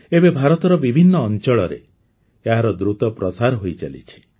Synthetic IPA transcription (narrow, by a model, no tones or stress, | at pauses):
ebebʱaɾɔt̪ɔɾɔbibʱinːɔːnt͡ʃɔɭɔɾḛ | eɦaɾɔd̪ɾut̪ɔpɾɔsaɾɦojt͡ʃa̰lḭt͡ʃʰi̥